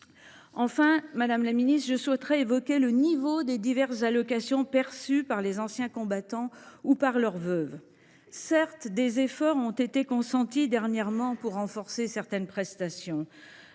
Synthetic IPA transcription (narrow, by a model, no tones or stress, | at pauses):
ɑ̃fɛ̃mad̪amlaminist̪ʒəswɛt̪ʁɛevɔkʲelənivod̪ed̪ivɛʁszalɔkasjɔ̃pɛʁsypaʁlezɑ̃sjɛ̃kɔ̃bat̪ɑ̃upaʁlœʁvœv | sɛʁt̪d̪ezefɔʁɔ̃t̪et̪ekɔ̃sɑ̃t̪id̪ɛʁnjɛʁmɑ̃puʁːɑ̃fɔʁsesɛʁt̪ɛnpχɛst̪asjɔ̃